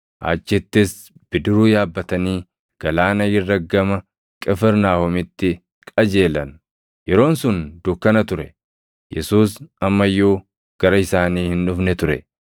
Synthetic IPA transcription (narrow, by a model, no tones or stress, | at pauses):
ʔa̰ːt͡ʃːɪt̪ːɪs | b̥ɪd̪ɪɾuːjaːbːɐt̪ɐniː | ɡ̥ɐlaːnɐjɪrːɐɡːɐmɐ | kʼɛfɛɾnaːhɔmɪt̪ːɪ | kʼɐd͡ʒe̞ːlɐ̰n | jɛɾo̞ːnsʊnd̪ʊkːɐnɐt̪ʊɾɛ | jɛsuːsɐmːɐjːoː | ɡ̥ɐɾɐɪsaːniːhɪnᶑʊfnɛt̪ʊɾɛ